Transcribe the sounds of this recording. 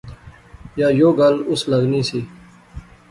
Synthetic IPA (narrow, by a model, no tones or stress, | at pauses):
jaːjoːɡɐlʊsləɡniːsiː